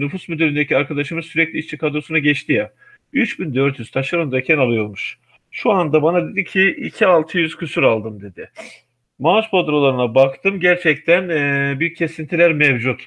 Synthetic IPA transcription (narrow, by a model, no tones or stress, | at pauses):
nyfusmyd̪yɾʲynd̪eciaɾkʰad̪aʃɯmɯzsyɾɛclʲiit͡ʃt͡ʃʰikʰad̪ɾosunaɟɛt͡ʃt̪ʰija | yt͡ʃbind̪øɾt̪ʰjyz̥t̪ʰaʃaɾɯnd̪acʰɛnalˠɯjo̞ɾmuʃ | ʃuand̪abanad̪e̞d̪incʰiḭcʰialˠt̪ʰɯjyz̥cʰysyɾalˠd̪ɯmd̪e̞d̪ɪ | maaʃpʰod̪ɾolˠaɾɯnabakt̪ʰɯmɟæɾt͡ʃʰɛc̚t̪ʰænbiɾcʰːe̞sint̪ʰilʲæɾmɛvd͡ʒut̪